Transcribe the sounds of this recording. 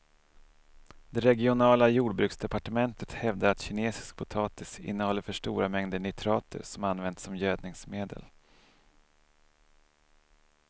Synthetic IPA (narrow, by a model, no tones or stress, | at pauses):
d̪̥ɛɾɛɡɪʊnɑːlajuːɖbɾʉ̟ksd̪ɛpaʈəmɛnt̪ʰət̪hɛvd̪aɾat̪ɕɪneːsɪ̥sk̚pʰʊt̪ʰɑːt̪ɪsɪ̰nːəhɔlːəɾfœʂʈuːɾamɛŋd̪əɳɛt̪ʰɾɑːt̪ʰə̰ɾʂɔmanvɛnd̪sɔmjøːd̪̚nɪŋsmeːd̪ə̰l